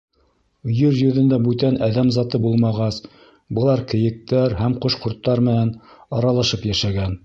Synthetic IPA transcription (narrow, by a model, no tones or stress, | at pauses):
jɵɾjɵ̆ðɘ̆nd̪æbʉt̪ænæðæmzɑt̪ɤbulˠmɑʁɑs | bɤ̆lˠɑɾkɘ̆jɘ̆k̚t̪æɾɦæmqŏʃqŏɾt̪ːɑɾmɘ̆nænɑɾɑlˠɑʃɤpjæʃæɡæn